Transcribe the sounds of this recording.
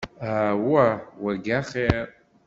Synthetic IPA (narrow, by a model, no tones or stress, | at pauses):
awawaɡʲaχe